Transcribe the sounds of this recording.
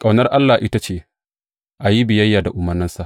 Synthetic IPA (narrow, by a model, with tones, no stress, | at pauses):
kʼa˨wnɐ˦rʔa˦lːaː˨ʔɪ˦ta˦t͡ʃeː˦˨ | ʔa˨ji˦bɪ˨jɐ˦jːaː˨da˨ʔʊ˨mɐ˨nːɪ˦nsa˦˨ʔ